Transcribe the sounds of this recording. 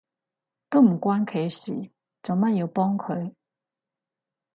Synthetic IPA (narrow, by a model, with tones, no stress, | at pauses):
t̪o˥m̩˨˩kwa˦˥nkʰe˧jɕḭː˨˩ | t͡so˨˩ma˥˨nji˧pɔ˦˥ŋkʰɵ˧ɥ